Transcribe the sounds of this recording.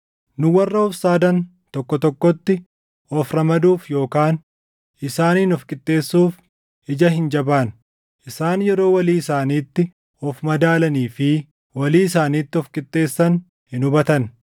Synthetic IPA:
nʊwɐrːɐɔfsaːd̪ɐn | t̪ɔkːɔt̪ɔkːɔt̪ːɪ | ɔfɾɐmɐd̪uːfjo̞ːkaːn | ʔɪsaːniːnɔfkʼɪt̪ʼːe̞ːsːuːf | ɪd͡ʒɐɦɪnd͡ʒɐbaːn | ʔɪsaːnjɛɾo̞ːwɐliːɪsaːniːt̪ːɪ | ɔfmɐd̪aːlɐniːfɪ | wɐliːɪsaːniːt̪ːɪɔfkʼɪt̪ʼːe̞ːsːɐn | hɪnʊbɐt̪ɐn

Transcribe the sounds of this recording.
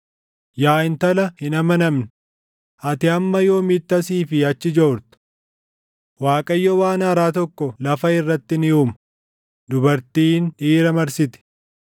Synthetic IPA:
jaːɪnt̪ɐlɐhɪnɐmɐnɐmnɪ | ʔɐt̪ɪɐmːɐjo̞ːmit̪ːɐsiːfɪɐt͡ʃːɪd͡ʒoːɾt̪ɐ̥ | waːkʼɐjːowaːnɐːɾaːt̪ɔkːɔlɐfɐɪrːɐt̪ːɪnɪuːmɐ | d̪ʊbɐɾt̪iːnᶑiːɾɐmɐɾsɪt̪ɛ̥

